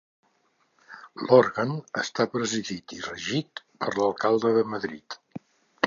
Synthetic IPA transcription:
loɾɣənəst̪apɾəziðit̪irəʒit̪ | pəɾləlˠkalˠd̪əðəməðɾḭt̪

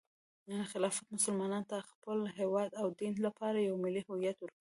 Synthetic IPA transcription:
xɪlɑfat̪mʊsəlmɑnɑnt̪axpəlɦewɑd̪awd̪inlapɑɾajawmɪlihʊijat̪wəɾki

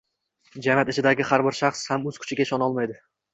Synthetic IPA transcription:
d͡ʒanat̪ɪt͡ʃʰɪd̪aɡʲɪhaɾbɪɾʃaχshamɵz̥kʰʊ̥t͡ʃʰɪɡʲaɪʃɒnɒlˠmajd̪ɪ

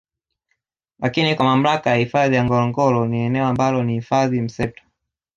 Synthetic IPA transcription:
lakinikwamam̩lakajahifaðijaŋɡɔlɔŋɡɔlɔniɛnɛɔambalɔnihifaðim̩sɛp̚tḁ

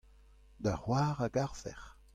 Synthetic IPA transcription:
d̪ahwaːʁaɡaʁvɛ̰ʁ

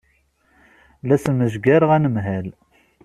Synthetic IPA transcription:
læsənməʒɡæɾəʁænəmɦæl

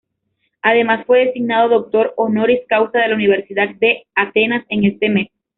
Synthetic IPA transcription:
að̞e̞masfwe̞ðe̞siɡnað̞o̞ðok̚t̪o̞ɾono̞ɾiskawsaðe̞launiβ̞e̞ɾsiðat̪̚d̪e̞at̪e̞nase̞ŋe̞st̪e̞me̞s

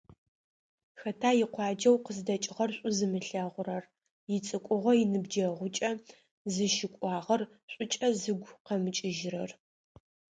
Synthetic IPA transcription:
xɐtʰaːjɪqʷɑːd͡ʒɐwqəzdɐt͡ʃʼɪʁɐrɕʷʼʊzɨmɨɬɐʁʷʊɾɐr | jɪt͡sʼɨkʷʼʊʁʷɔjɪnɨbd͡ʒɐʁʷʊt͡ʃʼɐ | zɨʃɪkʷʼɑːʁɐr | ɕʷʼʊt͡ʃʼɐzɨɡʷqɐmɨt͡ʃʼɪʒɪrɐr

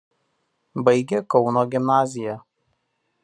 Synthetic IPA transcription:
bɐɪɡʲekɒʊnoːɡʲɪmnaːzʲɪjɛ

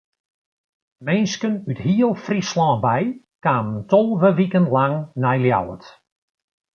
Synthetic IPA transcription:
mɛnskənytɦiəlˠfrislɑ̃ːbɛj | kaːməntɔlˠʋəʋikəntlaŋnɛjlja̰wə̰t

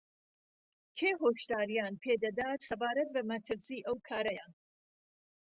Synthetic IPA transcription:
kʰeːɦoːʃd̪aːɾijaːnpʰeːd̪ɐd̪aːt̪sɐbaːɾɐt̪̚bɐmɐt̪ʰɨɾsiːʔɐwkʰaːɾɐjan

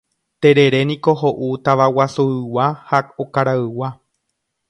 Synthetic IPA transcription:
t̪e̞ɾe̞ɾe̞nĩko̞ɦoʔut̪aʋawasuɨwahakokaɾaɨwa

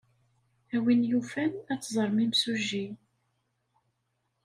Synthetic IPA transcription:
æwinjufænæt͡sːzˤəɾˤmimsuʒːi

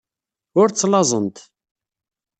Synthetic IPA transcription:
ʊɾt͡sːlɑzˤənt̪

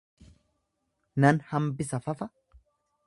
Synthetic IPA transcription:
nɐnhɐmbɪsɐfɐfɐ

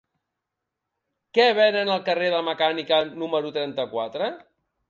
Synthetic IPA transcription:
kɛβɛnənəlˠkəreðəməkanikənuməɾut̪ɾɛnt̪əkwat̪ɾə

